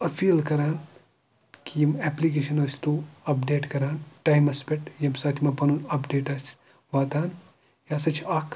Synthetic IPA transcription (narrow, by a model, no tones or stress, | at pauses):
ɐpʰiːlkɐɾaːn | kijimɛːplikeːʃɐnoːst̪uɐpɖeːʈkɐɾaːnʈaːjmɐspeʈjɐmsaːt̪ʰimɐpɐnunɐpɖeːʈɐs | ʋaːt̪aːn | jaːsɐt͡ʃʰak